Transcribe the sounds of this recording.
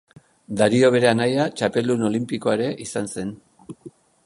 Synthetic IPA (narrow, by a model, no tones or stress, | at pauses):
d̪aɾio̞β̞e̞ɾe̞anajat͡ʃape̞luno̞limpiko̞aeɾe̞ʔisanse̞n